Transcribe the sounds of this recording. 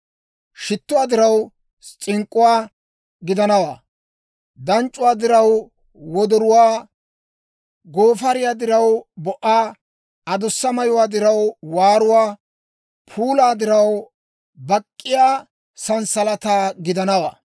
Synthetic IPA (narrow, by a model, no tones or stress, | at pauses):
ʃɪt̪ːʊwaːd̪ɪɾɐw | t͡ʃʼɪŋkʼːʊwaː | ɡɪd̪ɐnɐwa̰ː | d̪ɐnt͡ʃʼːʊwaːd̪ɪɾɐw | wɔd̪ɔɾʊwaː | ɡoːfɐɾɪjaːd̪ɪɾɐwbɔʔaː | ɐd̪ʊsːɐmɐjʊwaːd̪ɪɾɐwwaːɾʊwaː | pʰuːlaːd̪ɪɾɐw | bɐkʼːɪjaː | sɐnsɐlɐt̪aːɡɪd̪ɐnɐwa̰ː